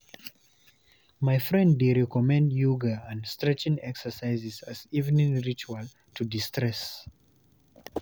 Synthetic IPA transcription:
maɪfɹɛ̃ndːeɹɛkɔmɛ̃ndjuɡəə̃nstɹɛt͡ʃɪ̃ŋɛksə˞saɪzɪzazivnĩŋɹit͡ʃual | tʰudistʰɹɛs

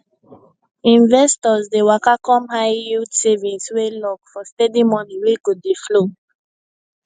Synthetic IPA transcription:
ĩnvɛstɔzdewakakɔ̃mhaɪjutsevĩnswelɔkfɔstedimɔniweɡodeflo

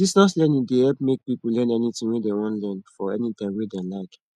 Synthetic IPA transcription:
disnɔslɛ̃nĩdehɛlp̚mek̚pipl̩lɛ̃nɛnitĩŋwedewɔ̃ntlɜ̃nfɔɛ̰nit̪ãɪ̃wedɛ̃laɪk

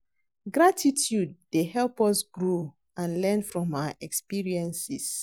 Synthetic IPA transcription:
ɡɹatʰitʰjud̚dehɛlˠpɔsɡɹo | ãnlɛ̃nfɹɔ̃maaʔɛkspiɹiɛ̃nsis

